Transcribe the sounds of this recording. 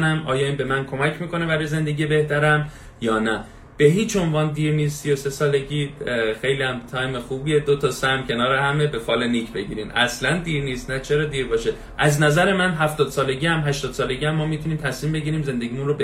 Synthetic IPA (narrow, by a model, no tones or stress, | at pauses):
næmʔɒ̰ːjɒːiːnbe̞mænkʰo̞mæcʰmiːko̞ne̞bæɾɔjeze̞nd̪e̞ɡʲiːe̞beht̪æɾæm | jɒːnæ | b̥e̞ɦiːt͡ʃʰo̞nvɒːnd̪iːɾniːst̪sijose̞sɒːle̞ɡʲiːxe̞jliːæmt̪ʰɒːjme̞xuːbied̪ot̪ʰɒsæmcʰe̞nɒːɾehæme̞be̞fɒːleniːcʰbe̞ɟiːɾimʔæslænd̪iːɾniːst̪næt͡ʃʰe̞ɾɒːd̪iːɾbɒːʃe | ʔæznæzæɾe̞mænɦæft̪ɒːd̪̥sɒːle̞ɟiːæmɦæʃt̪ɒːd̪sɒːle̞ɡiːæmːɒːmiːt̪ʰuniːmt̪ʰæsmiːmbe̞ɟiɾiːmze̞nd̪eɡiːmunrobe